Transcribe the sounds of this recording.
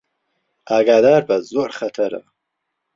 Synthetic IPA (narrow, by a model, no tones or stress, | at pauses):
aːɡaːd̪aːɾbɐzoɾχɐt̪ʰɐɾɐ̰